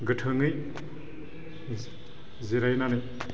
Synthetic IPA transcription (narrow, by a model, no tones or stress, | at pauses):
ɡɯtʰɯŋɯj | ziɾajnanɯj